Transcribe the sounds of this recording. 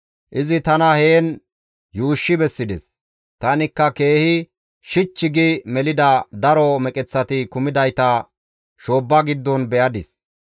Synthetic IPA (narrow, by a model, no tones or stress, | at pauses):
ʔɪzɪt̪ɐnɐheːn | juːʃːɪbɛsːɪd̪ɛs | t̪ɐnɪkːɐke̞ːhɪ | ʃɪt͡ʃːɪɡɪmɛlɪd̪ɐd̪ɐɾɔmɛkʼɛt͡sːɐt̪ɪkʊmɪd̪ɐjt̪ɐ | ʃoːbːɐɡɪd̪ːɔnbɛʔɐd̪ɪs